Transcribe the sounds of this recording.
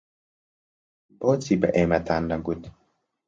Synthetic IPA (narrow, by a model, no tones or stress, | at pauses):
bot͡siba̰ʔɛmat̪andaɡut̪